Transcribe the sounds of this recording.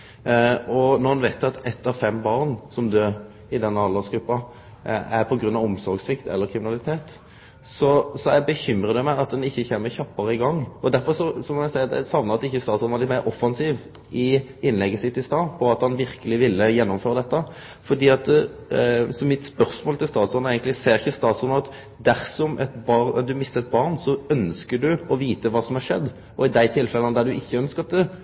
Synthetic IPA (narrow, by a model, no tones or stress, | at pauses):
ɔnɔɾɑnʋɛɪt̪ːɑt̪ɛt̪ːɑʋfɛmbɑʁnsɔmd̪øːɾ | ɪd̪ɛnːəɑlɑsɡɾʉpːɑ | æɾpʰɔɡɾʉnːɑʋɔmsɔɾɡsɪkt̪ʰɛ̰lːəɾkʰɾɪmɪnɑlɪt̪ʰeːt̪ | sɔsɔæbəçʏmɾəd̪ɛmæɪɑt̪̚d̪ɛnɪçːəçeːmːəçɑpːɑɾəɪɡɑŋːɔd̪æɾfɔʁsɔsɔmɔæsæɪɑd̪ɛ̰sɑʋnəɑɑt̪ːɪçːəst̪ɑːt̪sɔnʋɑlɪt̪mæɪɾʔɔfːɑnsiːʋ | ɪɪnlɛɡːəsɪt̪ːɪst̪ɑːpʰɔɑt̪hɑnʋɪɾkəlɪʋɪlːəjɛnːʊmføːɾəd̪ɛt̪ːə | fɔd̪iːɑt̪ | sɔmɪt̪spœɾsmoːlt̪ʰɪlst̪ɑːt̪sɔnæɪɡənt̪lɪseːɾɪçːəst̪ɑːt̪sɔnəɑt̪ | d̪æɾsɔmʔɛt̪bɑɾɛd̪ʉmɪst̪əɛt̪̚bɑʁnsɔœnskəɖ̪ʉɔʋiːt̪əʋɑːsɔmhɑɾʂɛd̪ː | ʔɔɪd̪æɪt̪ʰɪlfɛlənəd̪æɖ̪ʉɪçːəœnskəʁɑt̪̚d̪ɛ